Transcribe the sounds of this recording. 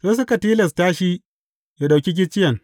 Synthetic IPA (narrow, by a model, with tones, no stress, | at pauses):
seː˦s̬ʊ˦ka˨tiː˦lɛ˨staː˦ʃi˦ | ja˨ɗa˨kʲi˦k̬ʲɪ˦t͡ʃɪ˦jɐ˨ŋ